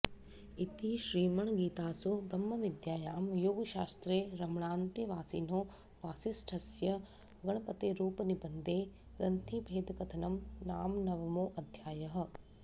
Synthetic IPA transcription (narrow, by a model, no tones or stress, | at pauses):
it̪iʃɾiːmɐɳɡiːt̪aːsubɾɐmːɐʋid̪jaːjaːmjoːɡʃaːst̪ɾeːɾɐmɐɳaːnt̪eʋaːsiːnoː | ʋaːsisʈʰɐsjɐ | ɡɐɳ̃ɐpɐt̪eːɾuːpɐnibɐnd̪eː | ɾɐnt̪ʰibʱeːd̪kɐt̪ʰɐnɐmnaːmnɐʋɐmoːʔɐd̪ʱjaːjɐɦɐ̆